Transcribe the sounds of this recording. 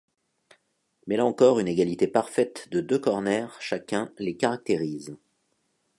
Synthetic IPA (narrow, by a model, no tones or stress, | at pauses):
mɛlaɑ̃kɔʁyneɡalit̪epaʁfɛt̪d̪əd̪økɔʁnɛʁʃakʲɛ̃lekaʁak̚t̪eʁiz